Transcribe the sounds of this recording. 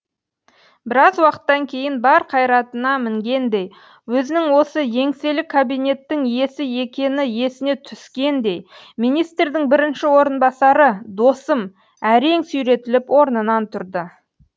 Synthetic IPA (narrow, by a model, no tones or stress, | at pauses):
bɪɾɑzwɑqə̥t̪ːɑŋkʲʰe̞jɪnbɑɾqʰɑjɾɑt̪ənɑmɪŋɡʲe̞nd̪e̞j | wɵzɪnɪŋwo̞səje̞ŋse̞lɪkʰːabijne̞t̪ːɪŋje̞sɪje̞kʲe̞nɪje̞sɪne̞t̪ʰʏskʲe̞nd̪e̞j | mijnijst̪rd̪ɪŋbɪɾɪnʃɪwo̞ɾənbɑsɑɾəd̪o̞səm | æɾe̞ŋsujɾe̞t̪ɪlɪpwo̞ɾnənɑnt̪ʰʊɾd̪ə